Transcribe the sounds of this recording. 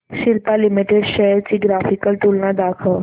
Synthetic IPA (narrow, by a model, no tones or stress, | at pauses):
ɕilpalimiʈeɖɕɛɾt͡ɕiːɡɾafikəlʈulnad̪akʰə